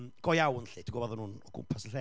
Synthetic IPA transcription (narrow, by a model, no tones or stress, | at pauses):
mɡ̥ɔjawnɬɪdʰiɡɔbɔðɔnuːnɔɡʊ̰mpʰasəɬɛː